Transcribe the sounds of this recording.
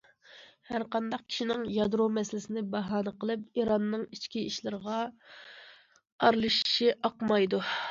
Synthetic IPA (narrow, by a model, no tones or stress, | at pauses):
hæɾqɑnd̪ɑq̚kʲʰi̥ʃinɪŋjɑd̪ɾomɛsɪlɪsɪnɪbɑɦɑːnəqəlˠɨp̚iɾɑnːɨŋit͡ʃkʲiiʃlˠɨɾəʁɑ | ɑɾlˠɨʃi̥ʃiʔɑqmɑjd̪u